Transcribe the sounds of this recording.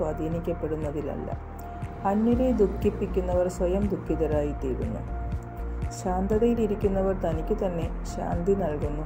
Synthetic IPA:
waːd̪ʱiːnikʲːɐpːe̞ɽunːɐðilɐ̰lːɐ̰ | ɐnːiɾed̪ukʰːipːikʲːunːɐʋɐrsʋɐjɐmd̪ukːiðɐɾaːjit̪ːiːɾunːṵ | ɕaːnd̪ɐðɐjiliɾikʲːunːɐʋɐrt̪ɐnikʲːɨt̪ɐnːe̞ | ɕa̰ːnd̪ʱinɐɭkunːu

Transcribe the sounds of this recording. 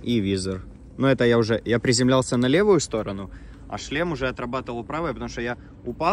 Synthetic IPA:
ivʲizər | nuɛt̪əjaʊʐɛjapɾʲɪzʲɪmlʲalˠsʲənɐlʲe̞vʊjʊst̪o̞ɾənʊ | ɐ̰ʂlʲemʊʐɛɐt̪ɾɐbat̪əvəlˠpɾavəjəpət̪ɐmuʂt̪oja | ʊpa

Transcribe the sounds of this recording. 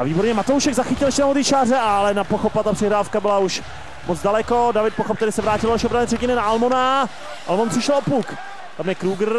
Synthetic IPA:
aviːbo̞ɾɲɛmat̪owʃɛɡzaxɪcɪlɛʃtɛnamod̪iːt͡ʃaːrɛalɛnapoxopat̪apr̥ɪɦɾaːfkabɪlauʃ | mod͡zdalɛko̞davɪt̪̚poxopt̪ɛlɪsɛvɾaːcɪlonaʃiʔobɾalɛːrɛɟɪnɛnaʔalmona | ʔa̰lmonpr̥ɪʃɛlopuk | t̪amjɛkɾuːɡr̩

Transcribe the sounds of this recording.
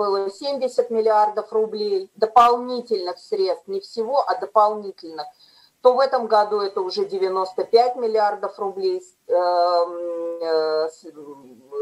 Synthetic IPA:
bɨlˠəsʲemʲdʲɪsʲət̪mʲɪlʲɪard̪əfrʊblʲejd̪əpɐlˠnʲitʲɪlʲnɨxsɾʲet̪st̪fnʲɪfsʲɪvo̞ʔɐd̪əpɐlˠnʲitʲɪlʲnɨx | t̪o̞vɛt̪əmɡɐd̪uɛt̪əʊʐɛdʲɪvʲɪno̞st̪əpʲætʲmʲɪlʲɪard̪əfrʊblʲej | s

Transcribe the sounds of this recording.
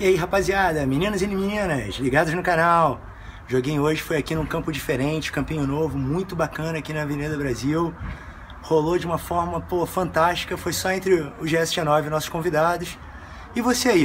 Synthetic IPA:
aiɦapaziad̪ɐminĩnɐzɪniminĩnɐsliɡad̪ʊznʊkanaw | ʒoɡẽj̃oʒɪfojakinũkɐ̃mpʊd͡ʒifeɾẽt͡ʃɪ̥kɐ̃pĩɲʊnovʊmũj̃t̪ʊbakɐ̃nɐakinɐvened̪ɐbɾaziw | holod͡ʒɪũmɐfɔɾmɐpohɐfɐ̃nt̪aʃt͡ʃi̥kɐfojsɔẽnt̪ɾɪʊʒeɛsɪʒenɔvɪnɔsʊ̥ʃkõvid̪ad̪ʊs | ɪvoseai

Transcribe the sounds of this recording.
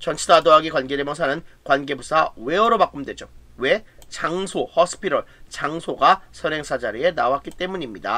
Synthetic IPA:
t͡ɕʌnt͡ɕʰidadoɦaɡikwanɡeɾemjʌŋs̬ʰanɯnkwanɡe̞busʰawe̞ʌɾomak͈ɯmdwe̞d͡ʑowe̞t͡ɕaŋsʰohʌs͈ʰɯ̥pʰiɾʌɭt͡ɕaŋsʰoɡasʰʌɾe̞ŋsʰad͡ʑaɾie̞nawak͈it͈e̞muɲimɲida̰

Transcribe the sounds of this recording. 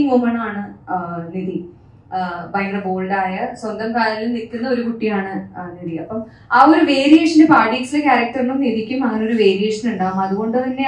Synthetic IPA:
mumɐɳɐaːɳɨniði | bɐjɳɖrɐbo̞ːɭɖaːjɐswɐnd̪ɐmkaːlɐlnik̪ːunːɐo̞ɾukuʈːijaːɳɨniðiɐpːɐm | aːoɾuʋe̞ːɾijeːʂɐndepaːʈiːksilekʲaːɾɐk̚ʈɐrnːumniðikʲːumɐŋːɐneo̞ɾuʋe̞ːɾijeːʂɐnuɳɖaːʋumɐðuɣo̞ɳɖɨt̪ɐnːe

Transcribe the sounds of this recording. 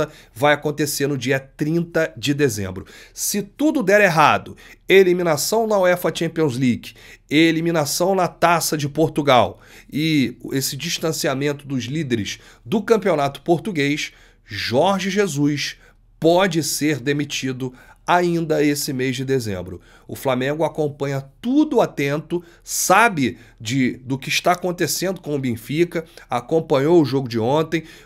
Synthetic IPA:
ɐ | vajakõt̪eseɾnʊd͡ʒiɐt̪ɾĩnt̪ɐd͡ʒɪd̪ezḛ̃mbɾʊsɪt̪ud̪ʊd̪ɛɾeɦad̪ʊelimĩnasɐ̃w̃nɐwɛfɐt͡ʃẽmpiõzliɡelimĩnasɐ̃w̃nɐt̪asɐd͡ʒɪpoɾt̪uɡaw | ɪesɪd͡ʒiʃt̪ɐ̃siamẽnt̪ʊd̪ʊzlid̪eɾɪʃ | d̪ʊkɐ̃mpionat̪ʊ̥poɾt̪uɡejs | ʒɔɾʒɪʒezujs | pɔd͡ʒɪseɾd̪emit͡ʃid̪ʊaĩnd̪ɐesɪmejzd͡ʒɪd̪ezḛ̃mbɾʊ̰ | ʊ̰flamẽɡʊakõmpɐ̃ɲɐt̪ud̪ʊat̪ẽnt̪ʊ | sabɪd͡ʒɪd̪ʊkɪːʃt̪aːkõnt̪esẽnd̪ʊkõw̃ʊbẽfikɐakõpɐ̃ɲowʊʒoɡʊd͡ʒɪõnt̪ẽj̃

